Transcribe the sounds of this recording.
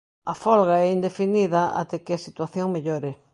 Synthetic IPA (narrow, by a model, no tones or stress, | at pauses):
ɐfɔlɣaɛind̪efiniðɐa̰t̪ekeasit̪waθjoŋmeʎoɾɪ